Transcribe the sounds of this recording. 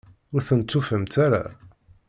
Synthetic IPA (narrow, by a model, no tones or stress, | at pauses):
ʊɾθənt͡s̪ːufəmt̪aɾa̰